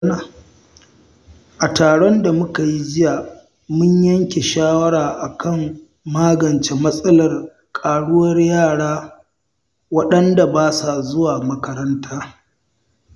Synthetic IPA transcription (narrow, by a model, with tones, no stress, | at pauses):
na˦ | ʔa˨taː˨ɽɔ˦nda˨mʊ˦ka˨ji˦d͡ʒɪ˦jaː˨ | mʊ˦ɲjɐ˦ŋkʲe˨ʃaː˦wɐ˦ɾaː˨ʔa˨kʰɐ˦˨mː | aː˦ɡɐ˨nt͡ʃe˨mɐ˦sʼɐ˦lɐ˨r | kʼaː˨ɽʊ˦wɐ˦rjaː˦˨ɽaː˦ | wɐ˦ɗɐ˦nda˨baː˦sa˨zʊ˦waː˨mɐ˦kɐ˦ɾɐ˦ntʰaː˦